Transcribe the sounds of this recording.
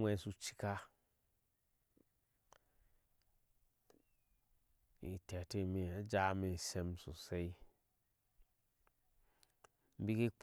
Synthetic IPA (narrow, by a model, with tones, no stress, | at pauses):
wʷe˨˦su˦t͡ʃi̥˦ka˦ | ḭ˨te˨te˦˨mi˨a˨˦d͡ʒa˦me˨se˦msu˨se˦i˦ | m̩˦bi˦ki˦k͡p